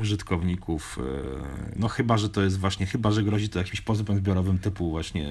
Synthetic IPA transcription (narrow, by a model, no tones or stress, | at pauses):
uʐɨt̪kɔvɲikʰuf | nɔxɘbaʐɛt̪ɔjɛst̪vwaɕɲɛxɘbaʐɛɡɾɔʑit̪ɔjakʲimɕpɔzubɛmzbʲjɔɾɔvɘmt̪ɘpuvwaɕɲɛ̰